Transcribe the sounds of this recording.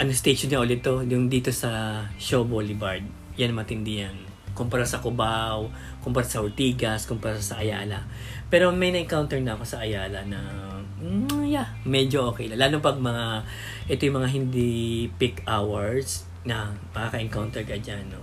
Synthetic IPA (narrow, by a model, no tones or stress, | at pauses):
ʔɐnost̪eʃonŋɐʔʊlɪt̪ːo̞jʊŋd̪iːt̪o̞sɐʃoboːlɪbaɹd̪̚ | jɐnɐmɐt̪ɪnd̪ɪjan | kʊmpɐɾasɐkʊbaw | kʊmpɐɾasɐhʊɹt̪iːɡɐskʊmpɐɾasɐʔɐjaːlɐ | pɛːɾo̞mɐjnɐʔɪŋkawnt̪ɛɹnɐɐko̞sɐʔɐjaːlɐnɐ | ja | mɛd͡ʒoʔoːkɛjlɐlaːloŋpɐɡ̚mɐŋa | ʔɛt̪ojʊmɐŋaɦɪnd̪ipɪkawɐɹs | nɐmɐkɐkɐʔɪŋkawnt̪ɛɹkɐd͡ʒanːo